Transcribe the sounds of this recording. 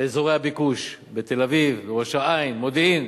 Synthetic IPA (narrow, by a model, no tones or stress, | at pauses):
eezoʁehabikuʃbet̪elavivbeʁoʃaainmod̪iim